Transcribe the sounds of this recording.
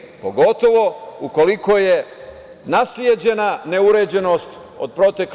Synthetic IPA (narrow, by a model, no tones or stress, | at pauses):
poɡo̞t̪o̞ʋo̞uko̞liko̞je | nasjed͡ʑe̞nane̞uɾe̞ːd͡ʑe̞no̞ːst̪ | od̪̚pɾo̞t̪ek